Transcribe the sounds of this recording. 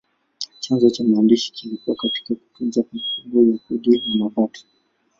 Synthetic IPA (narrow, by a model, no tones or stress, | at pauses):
t͡ʃanzɔt͡ʃamaːndiʃi̥kilikuwakati̥kaku̥tunzakamfundɔjakuɗinamavɔtʰɔ̥